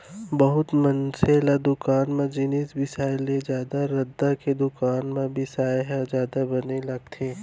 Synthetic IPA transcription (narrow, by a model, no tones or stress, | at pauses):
bɐɦʊt̪mɐnselad̪ʊkaːnmẽd͡ʒɪnisbɪsaːled͡ʒjaːd̪aɾɐd̪ːaked̪ʊkaːnmẽbɪsaːeɦad͡ʒjaːd̪abɐnelɐɡ̚t̪ʰeː